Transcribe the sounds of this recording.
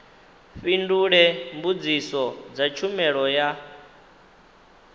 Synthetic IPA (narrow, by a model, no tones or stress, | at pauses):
ɸinduɺɛmbud͡zisɔd͡zat͡ʃʰumɛɺɔja